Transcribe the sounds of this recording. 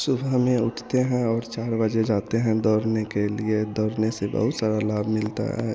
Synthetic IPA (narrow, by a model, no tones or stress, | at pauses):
sʊbɦmẽʊʈʰt̪eɦɛ̃ɔːɾt͡ʃaːɾbəd͡ʒed͡ʒaːt̪eɦɛ̃d̪ɔːɾnekelied̪ɔːɾnesebə̰ɦʊt̪saːɾalaːbʱmɪlt̪a̰ɦɛ̰ː